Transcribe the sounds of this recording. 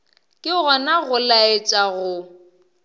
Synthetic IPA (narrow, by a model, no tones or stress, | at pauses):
kʼɪɣɔnaɣʊlaet͡ʃʼaɣʊ